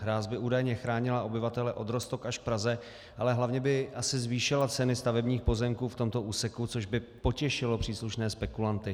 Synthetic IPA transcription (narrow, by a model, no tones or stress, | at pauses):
ɦɾaːzbɪuːdajɲɛxɾaːɲɪlaʔo̞bɪvat̪ɛlɛʔo̞d̪ɾost̪o̞kaʃfpɾazɛ | ʔalɛɦlavɲɛbɪasɪzviːʃɪlat͡sɛnɪst̪avɛbɲiːxpo̞zɛmkuːft̪o̞mt̪o̞ʔuːsɛkut͡so̞ʒbɪpo̞cɛʃɪlo̞pr̥iːsluʃnɛːspɛkulant̪ɪ